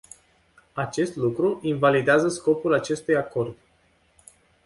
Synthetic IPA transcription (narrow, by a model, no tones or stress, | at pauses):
at͡ʃe̞st̪lukɾuʔinvalid̪eazəsko̞pulat͡ʃe̞st̪ujako̞rd̪